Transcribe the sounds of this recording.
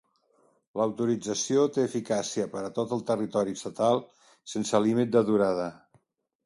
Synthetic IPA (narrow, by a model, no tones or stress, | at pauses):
ləwt̪uɾid͡zəsiot̪eːfikasiəpəɾət̪ot̪əlˠt̪ərit̪ɔɾiəst̪ət̪alˠ | sensəlimit̪̚d̪əðuɾað̞ə